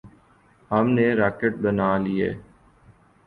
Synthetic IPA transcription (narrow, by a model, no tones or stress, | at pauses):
həmneɾaːkeʈ̚bənaːliḛː